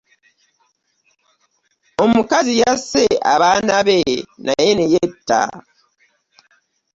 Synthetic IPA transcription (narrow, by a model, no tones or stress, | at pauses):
omukazijasea̰βanaβenajenejetːa̰